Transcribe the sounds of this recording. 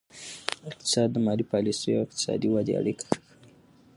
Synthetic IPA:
ɪq̚t̪ɪ̥sɑd̪ːəmɑlipɑlisəjoawɪq̚t̪ɪ̥sɑ̰d̪iwɑd̪ḛa̰ɽikʰḁxxəwi

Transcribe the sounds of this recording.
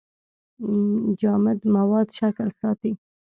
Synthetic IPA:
d͡ʒɑmɪd̪mawɑd̪ʃaklsɑt̪i

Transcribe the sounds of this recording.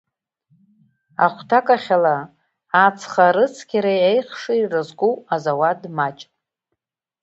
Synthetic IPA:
a̰χʷtʰakʼaχʲala | at͡sʰχaɾɨt͡sʰkʲiɾajejχʂiirɨzɡuazawadmat͡ʃʼ

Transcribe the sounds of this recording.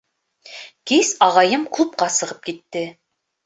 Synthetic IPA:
kʲʰisɑʁɑjɨmkʰɵp̚qɑsəʁəp̚kʲit̪ːɪ

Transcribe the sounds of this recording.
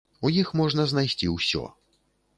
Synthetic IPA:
ujixmɔʐnɐzn̪ajsʲt͡sʲiwsʲɔ̰

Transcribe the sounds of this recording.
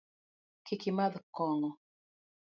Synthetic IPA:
kikimaðkɔŋɔ

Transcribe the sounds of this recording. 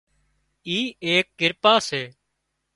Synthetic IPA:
iːeːk̚ːɪɾpaːseː

